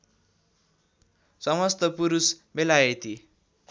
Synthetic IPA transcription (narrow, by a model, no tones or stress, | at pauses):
sʌmʌst̪ʌpuɾusbelaet̪i